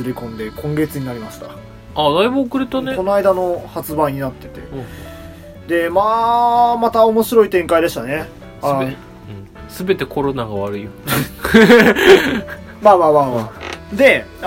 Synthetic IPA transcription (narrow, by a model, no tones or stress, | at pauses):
ɨɾʲikõ̞nd̪e̞kʰõ̞ŋɡe̞t͡sɨɲ̟inaɾʲimaɕi̥t̪ḁ | ad̪aibɯ̟okɯ̟ɾe̞t̪aneonoaid̪ano̞hat͡sɨbãiɲ̟inat̪ːe̞t̪e̞̰ | d̪e̞maːmat̪aomo̞ɕiɾo̞it̪ẽ̞ŋkaid̪e̞ɕi̥t̪ane̞ | a | sɨbe̞t̪e̞kʰo̞ɾo̞naɡaβaɾɯ̟i | maːmaːmaːmaːd̪e̞